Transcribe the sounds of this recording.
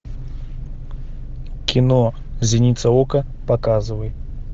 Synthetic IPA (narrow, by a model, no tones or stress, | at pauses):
kʲinɔ | zʲinʲit̪sɐɔkɐpakazɨvɐjɛ